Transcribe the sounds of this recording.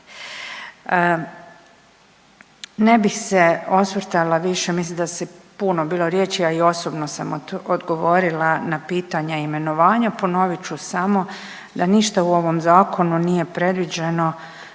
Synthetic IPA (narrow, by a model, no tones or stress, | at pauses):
ne̞bixseo̞sʋɾ̩t̪alaʋiʃemislimd̪asipunobiːlo̞ɾjeːt͡ʃiaio̞sobnosa̰mod̪ɡo̞ʋo̞ɾilˠanapiːt̪aɲaime̞no̞ʋaːɲapo̞no̞ʋit͡ʃusamo̞ | d̪aniʃt̪auo̞ʋo̞mzaːko̞nunije̞pɾe̞d̪ʋid͡ʒe̞no̞